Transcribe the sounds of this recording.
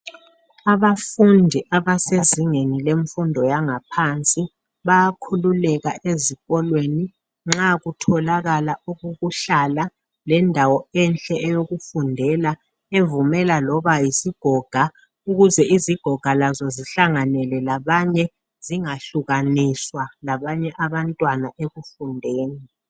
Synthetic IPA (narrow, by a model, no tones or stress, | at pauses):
aβafundʱiʔaβaseziŋenileɱfundʱɔjaŋapʰant͡sʼi | βajakʰululɛɣaʔeziɣɔlweni | ŋ͡ǁaɣutʰɔlaɣalauɣuɣuɬala | lɛndʱawɔɛnt͡ɬʼɛːjoɣufundʱɛla | evumɛlalɔβajisiɡ̥ʱɔɡ̥ʱa | uɣuzɛʔiziɡ̥ʱɔɡ̥ʱalazɔziɬaŋanɛlɛlaβaɲɛ | z̥iŋaɬuɣaniswalaβaɲɛʔaβantʼwanaʔeɣufundʱeːni